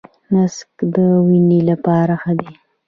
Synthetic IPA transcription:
naskd̪əwinelapɑɾaxəd̪e

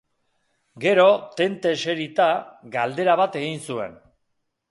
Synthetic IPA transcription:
ɡe̞ɾo̞t̪e̞nt̪e̞se̞ɾit̪aɡald̪e̞ɾaβ̞at̪e̞ɣinsue̞̰n

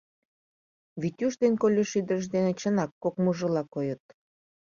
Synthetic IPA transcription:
βitʲuʃd̪enkolʲeʃyd̪ərʃ̬d̪enet͡ɕə̆nɑkːokmuʒə̆lɑkojət̪̚

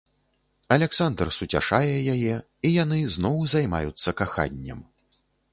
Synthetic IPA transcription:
ɐlʲaksand̪rsut͡sʲa̰ʂajɛjajɛ | ijan̪ɨznɔwzajma̰jut̪sːɐkaxa̰nʲːɐ̰m

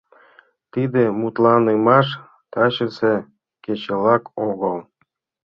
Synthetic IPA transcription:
t̪id̪ĕmut̪lɑnemɑʃ | t̪ɑɕə̆se | ket͡ɕelɑkoɣəlˠ

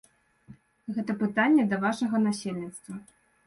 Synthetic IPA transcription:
ɣɛt̪ɐpɨt̪anʲːɛd̪ɐvaʂɐɣɐnasʲelʲnʲit̪st̪vɐ

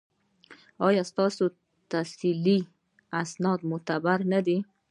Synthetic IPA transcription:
ɑjɑst̪ɑso | t̪asili | asnɑd̪mʊt̪abaɾnad̪i

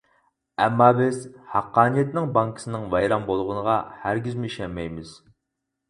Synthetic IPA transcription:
ɛmːɑːbɪzhæqːɑːnijɛt̪nɪŋbɑŋkʰɨ̥sɨnɨŋvɑjɾɑmbolˠʁʊnəʁɑ̰hæɾɡʲizmyiʃɛmɛjmɪz̥

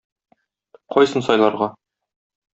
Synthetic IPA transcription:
qɒjsɤnsɒjlˠɑɾʁɑ

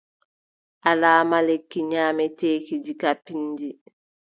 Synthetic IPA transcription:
ʔalaːmalekːiɲaːmɛteːkid͡ʒikapːindi

